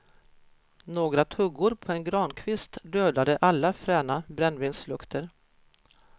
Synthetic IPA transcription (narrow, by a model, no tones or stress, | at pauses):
noːɡɾat̪ʰɵɡːʊɾpʰɔɛnɡɾɑːnkʰvɪst̪d̪øːd̪ad̪əʔalːafɾɛːnabɾɛnːvɪnslɵkt̪ʰəɾ